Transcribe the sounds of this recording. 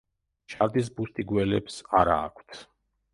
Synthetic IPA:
t͡ʃʰaɾd̪is̬bust̪ʼiɡwɛlɛpsaɾa̰ːkʷʰt̪ʰ

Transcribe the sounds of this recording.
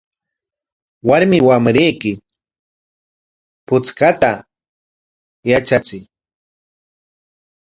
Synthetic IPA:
waɾmɪwamɾejkɪ | pʊt͡skat̪a | jat͡ʃat͡sɪj

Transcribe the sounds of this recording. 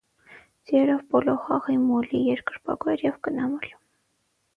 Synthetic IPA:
d͡ziɛlɔvbɔlɔχɑʁimɔlijɛɾkəɾpɑ̰kɛɾjɛvkənɑmɔli̥

